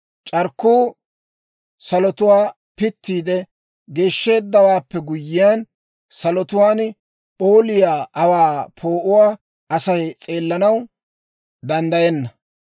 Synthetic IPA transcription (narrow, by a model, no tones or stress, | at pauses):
t͡ʃʼɐɾkːuː | sɐlɔt̪ʊwaː | pɪt̪ːiːd̪ɛ | ɡe̞ːʃːe̞ːd̪ːɐwaːpːɛɡʊjːɪjan | sɐlɔt̪ʊwaːn | pʼoːlɪjaːʔɐwaːpʰo̞ːʔʊwaː | ʔɐsɐjt͡sʼe̞ːlːɐnɐw | d̪ɐnd̪ɐjɛnːɐ